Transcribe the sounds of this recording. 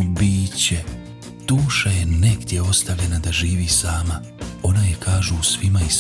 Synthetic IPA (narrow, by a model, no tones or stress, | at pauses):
biːt͡ɕe | d̪̥uːʃaje̞neɡd̪je̞o̞st̪avʎe̞nad̪aʒiːʋiːsaːma | o̞naje̞kʰaːʒuːsʋimais